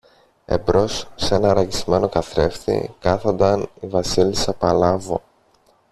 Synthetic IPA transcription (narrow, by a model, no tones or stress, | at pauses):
e̞̰bɾo̞sːe̞nɐɾɐʝizme̞no̞kɐθɾe̞fθḭkɐθond̪ɐnivɐsilisɐpɐlɐvo̰